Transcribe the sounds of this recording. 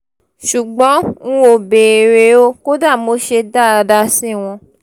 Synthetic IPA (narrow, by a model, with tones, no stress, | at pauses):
ʃu˨ɡ͡bɔ̃˨˦ŋũ˦o˧˨be˨ɾe˨˦o˦ko˦da˦˨mo˨˦ʃe˧da˦˨a˧da˧sĩ˦˨w̃ɔ̃˧